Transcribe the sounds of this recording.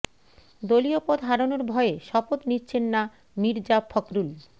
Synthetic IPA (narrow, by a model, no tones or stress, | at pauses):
d̪oliopod̪ʱɦaɾonoɾbʱɔeeʃɔpot̪nitːɕʰenːa | niɾd͡ʑapʰɔkɾul